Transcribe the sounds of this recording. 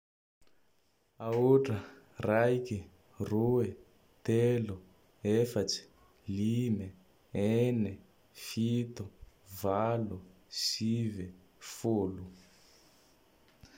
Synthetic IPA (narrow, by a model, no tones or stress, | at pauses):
aoʈ͡ʂərajki | rue | t̪elu | efat͡si̥ | lime | ene | fit̪u | valu | sive | fulu